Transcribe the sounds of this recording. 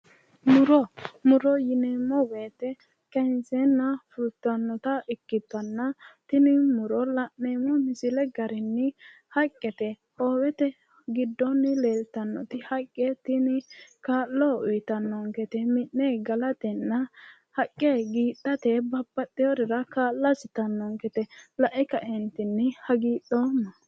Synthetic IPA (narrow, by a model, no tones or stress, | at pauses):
mʊɾɔmʊɾɔjɪnɛːmːɔweːt̪ɛ | kɛnsɛnːɐfʊt̪ːɐnːɔt̪ɐʔɪkːɪt̪ːɐnːɐt̪ɪnɪmʊɾɔlɐʔeːmɔmɪsɪlɛɡɐɾɪnːɪ | hɐkʼːɛt̪ɛ | hoːwɛt̪ɛ | ɡɪd̪ːɔnːɪleːlt̪ɐnːɔ̰t̪ɪhɐkʼːɛt̪ɪnɪkaːlːoːʊjɪt̪ɐnːɔŋɡɛt̪ɛmɪnːɛɡɐlɐt̪ɛnːɐ | hɐkʼːeɡiːtːɐt̪ɛbɐbːɐt̪ʼːɪjɔɾɪɾɐkaːllːɐsɪt̪ɐnːɔŋkɛt̪ɛlɐʔɛkɐʔɛnt̪ɪnːɪhɐɡiːɗːoːnːɐ